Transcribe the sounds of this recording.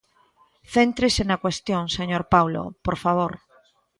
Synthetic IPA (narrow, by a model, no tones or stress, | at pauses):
θent̪ɾɪsenɐkwest̪joŋseɲoɾpawlo̰poɾfaβ̞oɾ